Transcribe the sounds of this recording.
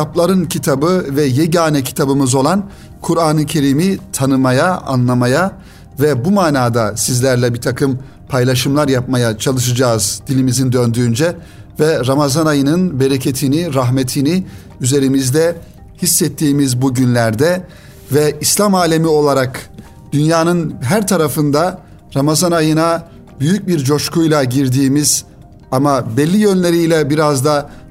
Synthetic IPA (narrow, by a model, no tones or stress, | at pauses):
aplˠaɾɯncʰit̪ʰabɯvɛjeɟaːnɛcʰi̥t̪ʰabɯmɯzo̞lˠan | kʰuɾaːnɯcʰe̞ɾiːmit̪ʰanɯmajaa̰nlˠamaja | vɛbumaːnaːd̪asizlʲæɾlʲɛbiɾt̪ʰakʰɯm | pʰajlˠaʃɯmlˠaɾjap̚majat͡ʃʰalˠɯʃɯd͡ʒaːɯzd̪̥ilʲimizind̪ø̞nd̪yːnd͡ʒɛ | vɛɾamazanajɯnɯnbeɾecʰet̪ʰiniɾaɦmet̪ʰini | yze̞ɾimizd̪ɛ | hisːɛt̪ʰːiːmizbuɟynlʲæɾd̪ɛ | vɛislʲˠamaːlʲe̞mio̞lˠaɾak | d̪̥ynjaːnɯnɦæɾt̪ʰaɾafɯnd̪a | ɾamazanajɯna | byjyc̚biɾd͡ʒo̞ʃkʰujlˠaɟiɾd̪iːmiz̥ | amabɛlʲːijønlʲe̞ɾijlʲɛbiɾazd̪a